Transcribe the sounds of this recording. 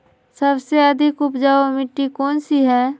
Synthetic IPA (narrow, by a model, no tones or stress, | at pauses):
səbseɐd̪ʱɪkʊpd͡ʒaːomɪʈːikɔːnsiɦɛː